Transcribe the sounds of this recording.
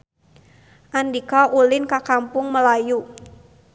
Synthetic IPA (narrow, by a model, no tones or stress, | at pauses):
ʔandikaʔulɪnkakampʊŋməlaju